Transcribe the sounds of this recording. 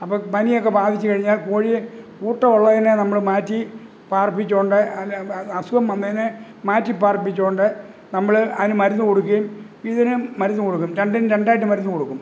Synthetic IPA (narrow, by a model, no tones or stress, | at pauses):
ɐpːopɐnijokːe̞baːd̪ʱit͡ɕːɨkɐɻiɲːaːlkoːɻikuːʈːɐoɭːɐðinɨnɐmːɐɭmaːtːi | paːrpːit͡ɕːo̞ːɳɖɨɐɐsuɣɐmɐnd̪ɐðinɨ | maːtːipaːrpːit͡ɕːo̞ːɳɖɨ | nɐmːɐɭɐðinɨmɐɾunːuko̞ɽukːɐjum | iðinɨmɐɾunːukoɽukːumɾeɳɖɐnɾeɳɖaːjiʈ̬ːɨmɐɾunːuko̞ɽukːum